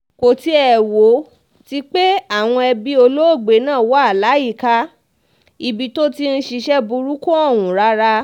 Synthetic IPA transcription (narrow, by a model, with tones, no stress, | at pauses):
ko˨ti˧˦ɛ˨wo˨˦ | ti˧k͡pe˦a˦˨w̃ɔ̃˧ɛ˧bi˧˦o˧lo˦o˦˨ɡ͡be˨˦nãː˦˨wa˨˦a˦˨la˨˦i˦˨ka˦ | i˨bi˨˦to˦ti˧n̩˦ʃi˧ʃɛ˦bu˧ɾu˦kɔ̃˦ɔ˦˨wũ˨ɾa˦ɾa˧